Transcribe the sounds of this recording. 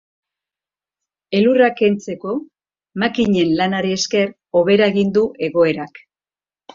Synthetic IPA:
e̞lurake̞nt͡se̞ko̞ | makiɲe̞nlanaɾeːske̞r | o̞βe̞ɾaeɣind̪uʔe̞ɣo̞e̞ɾak

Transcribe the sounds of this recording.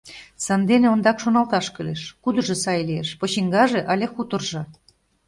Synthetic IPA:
sɑnd̪eneond̪ɑkʃonɑlt̪ɑʃkəleʃkud̪ɤ̆ʒɤ̆sɑjlʲieʃpŏt͡ɕiŋɡɑʒeʔɑlʲexut̪ə̆rʒɤ̆

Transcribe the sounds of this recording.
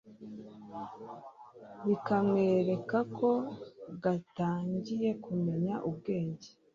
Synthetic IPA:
βikamŋe̞ːɾe̞kakʰo̞ɡataːɲɟije̞kume̞ɲaʔubɡe̞ːɲɟe

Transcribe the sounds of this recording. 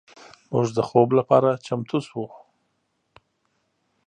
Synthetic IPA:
mʊʐd̪əxoblapɑɾat͡ʃamt̪ʰuswu

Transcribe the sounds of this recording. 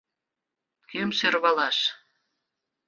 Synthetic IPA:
kømserβɑlɑʃ

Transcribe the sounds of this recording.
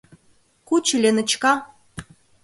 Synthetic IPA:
kut͡ɕəlʲenə̆t͡ɕkɑ

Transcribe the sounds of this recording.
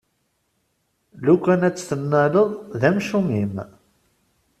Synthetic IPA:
lukːænæt͡sːθənːæləðˤðæmʃumim

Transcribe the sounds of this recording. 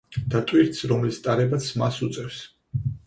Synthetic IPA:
d̪̥at̪ʼwiɾt̪sɾɔmɛlist̪ʼaɾɛbat̪sʰmasut̪sʼɛfs

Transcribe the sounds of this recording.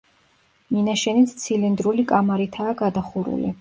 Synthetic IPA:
minaʃɛnit̪ʰt̪sʰilind̪ɾulikʼamaɾit̪ʰaːɡad̪aχuɾṵlḭ

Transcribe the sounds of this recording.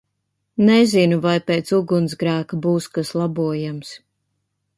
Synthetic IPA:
nɛzinuvajpeːt̪suɡunsɡɾæːkabuːskaslˠabuɔjams

